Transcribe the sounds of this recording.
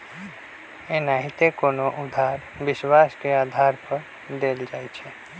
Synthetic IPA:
enaɦit̪ekoːnoʔʊd̪ʱaːɾ | bɪswaːskeaːd̪ʱaɾpəɾ | d̪eːld͡ʒaːjt͡ʃʰɛ

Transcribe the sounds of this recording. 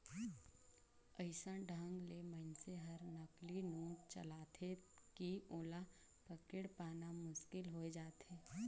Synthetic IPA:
əɪsãɖʱə̃ŋɡlemə̃nseɦɐɾnəklinũːt͡ʃə̰laːt̪ʰekioːla | pəkɪɽpaːnamʊʃkɪlɦoed͡ʒaːt̪eː

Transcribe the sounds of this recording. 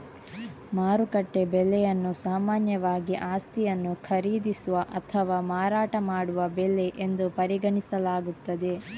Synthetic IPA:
maːɾukɐʈːe̞bɛlːɛjɐnːusaːmaːnjɐʋaːɡiʔaːst̪ijɐnːukʰɐɾiːd̪isuʋɐʔɐt̪ʰɐʋaːmaːɾaːʈɐmaːɽuʋɐbɛlːeʔend̪upɐɾiɡɐɳisɐlaːɡut̪ːɐd̪e̞

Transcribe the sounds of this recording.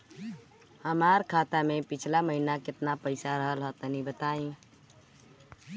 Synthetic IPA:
həmaɾkʰat̪amepit͡ʃʰlaməɦinakɪt̪napəɪsaɾəɦəlɦət̪ənibət̪aĩ

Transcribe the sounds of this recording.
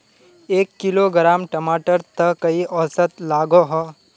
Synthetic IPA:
eːkːɪloɡɾaːmʈɐmaːʈəɾt̪ɐkɐiʔɔːsət̪laːɡoɦɔː

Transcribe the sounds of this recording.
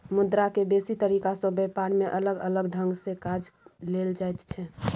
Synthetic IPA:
mʊd̪ɾakebesit̪əɾikasə̃bɛpaɾmeʔələɡələɡɖʱəŋɡsekad͡ʒleld͡ʒajt̪t͡ʃʰɛ

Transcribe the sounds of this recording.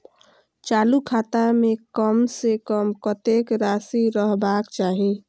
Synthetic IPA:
t͡ʃalukʰat̪amekəmsekəmkət̪ekɾasiɾəɦbakt͡ʃaɦi

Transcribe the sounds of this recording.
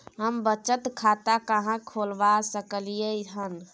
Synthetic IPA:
ɦəmbət͡ʃət̪kʰat̪akəɦãkʰolbasəkəlijəɦən

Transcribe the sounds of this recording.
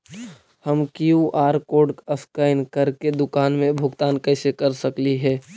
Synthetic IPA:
həmkjuʔaːɾkoːɖəskaɪnkəɾked̪ʊkaːnmẽbʱʊɡt̪aːnkɛːsekəɾsəkliɦɛː

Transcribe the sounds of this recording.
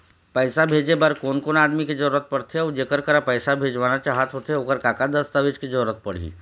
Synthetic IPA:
pəjsabʱed͡ʒebaɾkoːnkonaːd̪miked͡ʒəɾuɾət̪̚pəɽt̪ʰeaːd͡ʒekəɾkəɾapəjsabʱeːd͡ʒʋanat͡ʃaɦat̪ʰɦot̪eoːkəɾkakad̪əst̪aʋet͡ʃked͡ʒəɾuɾət̪̚pəɽ̤ḭː

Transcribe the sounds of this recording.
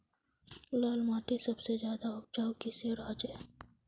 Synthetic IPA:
ʊlaːlmaːʈisɐbsed͡ʒjaːd̪aɔb̚d͡ʒaːwkiseɾaːd͡ʒeː

